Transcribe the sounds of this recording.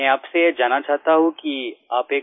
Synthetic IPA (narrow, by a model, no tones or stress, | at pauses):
ɛ̃aːpseed͡ʒaːnat͡ʃaːɦt̪aɦũkiaːpeː